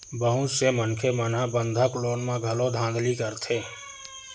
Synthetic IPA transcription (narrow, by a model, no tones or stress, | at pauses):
bəɦũt͡ʃsemənkʰemənabə̃nd̪ʱəkloːnmãɡʱɐlod̪ʱãːnd̪ʱlikəɾt̪ʰeː